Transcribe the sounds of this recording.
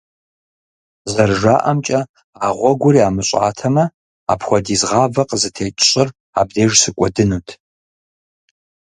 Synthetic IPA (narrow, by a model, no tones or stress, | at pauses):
zɐrʒaːʔɐmt͡ʃʼɐ | aːʁʷɔɡʷʊɾiaːmɨɕʷʼa̰ːtʰɐmɐ | a̰pxʷɔdizʁaːvɐqʼzɨtʰeːt͡ʃʼɕʼɪr | a̰bdeːʒsɨkʷʼɔdɨnutʰ